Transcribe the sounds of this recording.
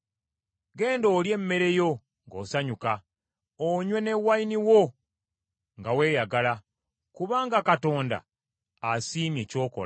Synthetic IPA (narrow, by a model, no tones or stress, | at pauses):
ɡe̞ːndo̞ːlje̞mːe̞ɾe̞jo̞ | ŋɡo̞̰ːsaɲuka | oɲwe̞ne̞wainiwo̞ | ŋɡawe̞ːjaɡala | kuβaːŋɡakato̞ːnda̰ | asiːmje̞ːco̞ːko̰l